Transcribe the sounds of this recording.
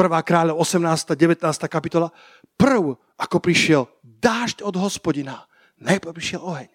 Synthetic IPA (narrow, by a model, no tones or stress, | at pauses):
pr̩ʋaːkɾaːʎɔɔsɛmnaːst̪aːɟɛʋɛt̪naːst̪aːkapit̪ɔla | pr̩w | akɔpɾiʃɪɛl | d̪aːʃcɔd̪ɦɔspɔɟina | najpɾr̩pɾiʃɪɛlɔɦɛɲ